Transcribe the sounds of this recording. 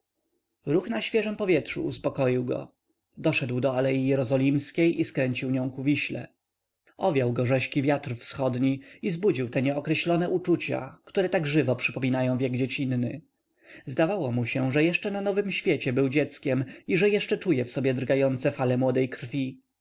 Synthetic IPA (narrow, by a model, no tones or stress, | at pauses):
ɾuxnaɕfʲjɛʐɛmpɔvʲjɛt̪ʂṵuspɔkɔjiwɡɔ̰ | d̪ɔʂɛd̪wd̪ɔalɛjijɛɾɔzɔlʲimskʲejʔiskɾɛɲt͡ɕiwɲɔ̃w̃kuvʲiɕlɛ̰ | ʔɔvʲjawɡɔʐɛɕkʲivʲjat̪ɾfsxɔd̪ɲiizbud͡ʑiwt̪ɛɲɛɔkɾɛɕlɔnɛʔut͡ʂut͡ɕa̰kt̪uɾɛt̪aɡʐɘvɔpʂɘpɔmʲinajɔ̃w̃vʲjɛɡd͡ʑet͡ɕinːɘ | zd̪avawɔmuɕɛʐɛjɛʂt͡ʂɛnanɔvɘmɕfʲjɛt͡ɕɛbɘwd͡ʑɛt̪skʲɛmiʐɛjɛʂt͡ʂɛt͡ʂujɛfsɔbʲjɛd̪ɾɡajɔnt̪sɛfalɛmwɔd̪ɛjkɾfʲi